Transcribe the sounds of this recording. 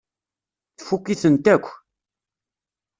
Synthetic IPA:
θfukːiθənt̪ækʷː

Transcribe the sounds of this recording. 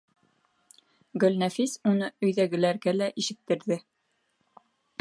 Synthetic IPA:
ɡɵ̆lnæfisunɤɵ̆jðæɡɘ̆læɾɡælæʔiʃɘ̆k̚t̪ɘ̆ɾðɘ

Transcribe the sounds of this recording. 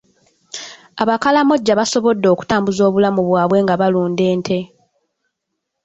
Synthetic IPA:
aβakalamo̞ɟːaβaso̞βo̞dːo̞ːku̥taːmbuzo̞ːβulamuβwaːβwe̞ːŋɡaβaluːnde̞ːntʰe̞

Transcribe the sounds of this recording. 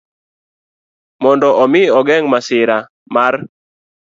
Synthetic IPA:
mɔndɔʔɔmɪɔɡɛŋmasɪɾa | mar

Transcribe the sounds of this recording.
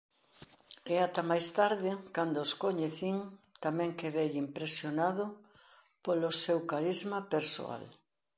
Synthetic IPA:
eat̪ɐmajst̪aɾðɪkand̪ʊskoɲeθiŋt̪amɛ̃ŋkeðejimpɾesjonað̞ʊ | polʊsewkaɾizmapeɾso̰a̰l

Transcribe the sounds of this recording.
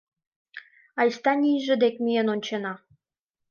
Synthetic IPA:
ɑjst̪ɑnʲijʒə̆d̪ekmʲijenonʲt͡ɕenɑ

